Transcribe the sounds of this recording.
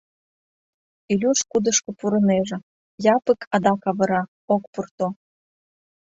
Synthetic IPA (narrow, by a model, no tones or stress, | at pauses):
ilʲuʃkud̪ə̆ʃkŏpuɾɤ̆neʒĕ | jɑpə̆kʰɑd̪ɑkɑβɤ̆ɾɑ | ok̚purt̪o